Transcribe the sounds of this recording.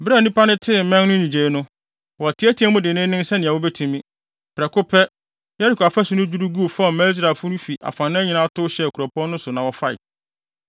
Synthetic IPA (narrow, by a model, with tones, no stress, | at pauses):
bɾa˦˨nĩ˦pʰa˦nʊ̃˦tʰɪ˦˨mɛ̃˦ŋnʊ̃˦ɲĩ˨d͡ʑe˨˦nʊ̃˦ | wɔ˨tʰɪ˨˦æ˦tʰi˨˦ã˦mʊ̃˦dɪ˨nɪ̃˦nɪ̃˦n˦sɛ˦nɪ̃˨a˨wo˦bɛ˦tʰũ˦˨mĩ˦ | pʰɾɛ˨kʰʊ˦pʰɛ˦ | jɛ˦ɾi˦˨kʰa˨fa˦sʊ˨nʊ̃˦d͡ʑu˦ɾu˦ɡu˦˨fɔ˦˨mɛ̃˦i˦s̬ɾa˨fʊ˦nʊ̃˦fi˨ʔa̰˨fã˨nːɪ̃˦ɲɪ̃˦nã˦tʰʊ˦ɕɛ˦˨ku˨ɾɔ˨pʰɔ̃˦nʊ̃˦sʊ˨nã˨wɔ˨fa˦ɪ̰˨